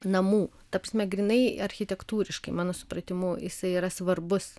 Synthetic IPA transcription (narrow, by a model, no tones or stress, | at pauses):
nɐmuː | t̪ɐːpɾɐsʲmʲɛɡɾʲinɐɪɐɾʲxʲɪt̪ʲɛkt̪uːɾʲɪʃkɐɪmɑːnoːsʊ̥pɾɐt̪ʲɪmuːjɪsɐɪiːɾɐsʋɐrbʊs